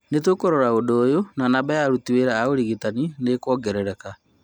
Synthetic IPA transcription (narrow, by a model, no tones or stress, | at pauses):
netwokoɾɔɾaodoːjonanabajaɾutiweɾaːoɾiɣitaninekɔːɡɛɾɛɾɛka